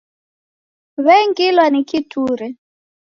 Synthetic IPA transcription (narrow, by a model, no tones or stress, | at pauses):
βɛŋɡilwanikitʰuːɾɛ